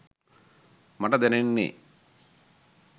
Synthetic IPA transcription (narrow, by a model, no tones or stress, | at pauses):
mɐʈɐd̪ɛnenːḛ